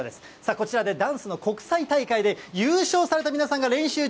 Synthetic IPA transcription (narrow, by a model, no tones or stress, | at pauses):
d̪e̞sɨ̥ | sako̞t͡ɕiɾad̪e̞d̪ãɰ̃sɨno̞ko̞kɯ̥sait̪aikaid̪e̞jɨːɕo̞ːsaɾe̞t̪aminasãŋɡaɾẽ̞ɰ̃ɕɨː